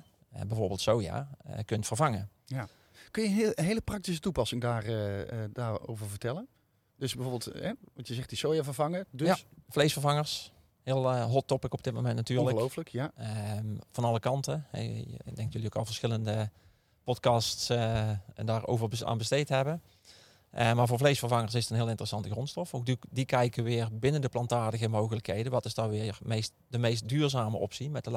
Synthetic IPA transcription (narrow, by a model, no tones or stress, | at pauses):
əbɛjvoːɹbɪːlˠtsowja̰ːə̰kɵntfəɹvɑŋəja | kɵnjənɦejləprɑk̚tis̬ətupɑsɪŋdaːrədaːɹo̰wvəɹvəɹtɛlən | d̥øsbɛjvoːɹbɪlˠtɦɛʋɑtjəzɛχ̚disowjavəɹvɑŋədasflejsfəɹvɑŋəɹs | hɪːəlˠɦɔtɔpɪkɔb̚dɪt̚mo̰wmɛntnatyːɹləlowfləkjaəvɑnɑlˠəkɑntəɛ̰dɛŋtjɵliokɑlˠvəɹsxɪləndə | pɔtkɑsts | daːɹo̰wvəɹbəa̰ːnbəstejtɦɛbə | əmaːɹvʊːɹvlejsfəɹvɑŋəɹsɪsətənɦɪːlˠɪntərəsɑntəɣrɔnstɔfowk̚ddikɛjkəʋɪːrbɪnəndəplɑntaːɹdəɣəmowɣələkɦejdənʋɑtɪsdɑnʋɪːɹmejst | dəmejst̚dyːɹzaːməʔɔ̰psimɛt̚də